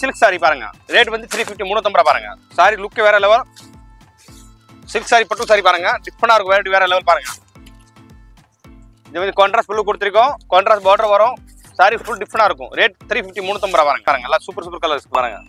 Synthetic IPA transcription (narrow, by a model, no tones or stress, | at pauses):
sɪlksaːɾipaːɾɯŋɡɐ̰ɾeːʈʋɐnd̪ɯt̪ʰɪɾiːfɪfʈimuːɳːɯt̪ɔmbɐɾaːpaːɾɯŋɡɐ̰ | saːɾilʊkːʋeːɾɐlɛʋɐɾ | sɪlksaːɾipɐʈːɯksaːɾipaːɾɯŋɡɐɖɪfɾɐɳaːɪɾɯkːʊ̃ʋeːɾɐʈːɯʋeːɾɐlɛʋɐlpaːɾɯŋɡɐ | ɪnðeːʋɐnd̪ɯkaːɳɖɾaːsʈfʊlːukːɔɽɯt̪ːɪɾɪk̬ːʊ̃kaːɳɖɾaːsboːɖɐɾʋɐɾʊ̃ | saːɾiffʊlɖɪfɾɐɳaːɪɾɯkːʊ̰̃ɾeːʈ̚t̪ɾiːfɪfʈimuːnːɯt̪ɔmbɐɾaːpaːɾɯŋɡɐːɾɯŋɡɐɛlaːsuːpːɐɾsuːpːɐɾkɐlɐɾskːɯpaːɾɯŋɡɐ̰